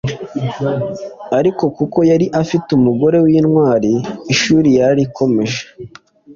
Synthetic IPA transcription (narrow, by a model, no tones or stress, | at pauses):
aɾiko̞kuko̞jaɾiʔafitumuɡo̞ɾe̞wiːnŋwaːɾiːʃuːɾijaɾikʰo̞me̞ʒe̥